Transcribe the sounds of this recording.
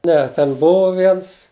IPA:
ˈnʲɛ tʲɛn ˈbʊʋoː ˈʋʲiɛns

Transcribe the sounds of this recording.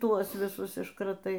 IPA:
ˈtuɔs ʋʲɪˈsʊs ɪʃkrɐˈtɐɪ

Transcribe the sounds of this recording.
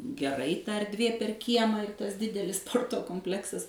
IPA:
ɡʲɛˈrɐɪ ˈtɐ ɛrʲˈdʲʋʲeː pʲɛr ˈkʲiɛmɑː ɪr ˈtɐs ˈdʲɪdʲɛlʲɪs ˈspoːrtoː koːmʲpʲˈlʲæːksɐs

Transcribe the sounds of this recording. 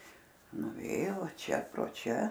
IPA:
nʊˈʋʲeːjoː ˈʋɐ ˈt͡ʃʲɛ proː ˈt͡ʃʲɛ

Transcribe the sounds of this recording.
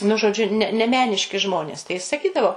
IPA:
nʊ ʒoːˈd͡ʒʲʊ nʲɛ nʲɛ ˈmʲæːnʲɪʃʲkʲɪ ˈʒmoːnʲeːs tɐɪ jɪs sɐˈkʲiːdɐʋoː

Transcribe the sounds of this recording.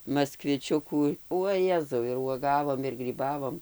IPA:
mɐskʋʲɪˈt͡ʃʲʊkuː uɔ ˈjæːzɐʊ ɪr uɔˈɡɑːʋoːm ɪr ɡrʲiːˈbɑːʋoːm

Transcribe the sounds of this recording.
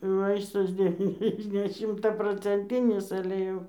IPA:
ˈʋɐɪstɐs dʲɛˈʋʲiːnʲɛzʲdʲɛ nʲɛ ʃʲɪmtɐproːt͡sʲɛnʲˈtʲɪnʲɪs ɐlʲɛ ˈjɛʊ

